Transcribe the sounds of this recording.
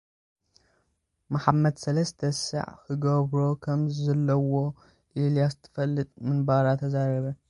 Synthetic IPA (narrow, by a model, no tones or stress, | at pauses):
maħamːɐd̪sɐlɐst̪ʰɐsɨ̰ʕkɨɡɐβɾo̞kʰɐmzɐlːɐwo̞ | ʔelijazɨt̪ʰɨ̥fɐlːɨt̪ʼmɨnbaɾat̪ʰɐzaɾɐβɐ